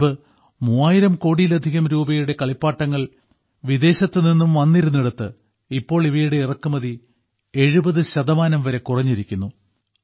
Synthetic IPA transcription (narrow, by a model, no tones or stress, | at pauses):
ɨ | muaːjiɾɐmko̞ːɽijlɐd̪ʱiɣɐmɾuːbɐjuɽe̞kɐɭipːaːʈːɐŋːɐɭ | ʋid̪e̞ːɕɐt̪ːɨninːumʋɐnːiɾunːiɽut̪ːɨ | ipːo̞ːɭiʋɐjuɽe̞irɐkːumɐði | e̞ɻubɐðɨɕɐðɐmaːnɐmʋɐɾe̞kurɐɲːiɾikʲːunːu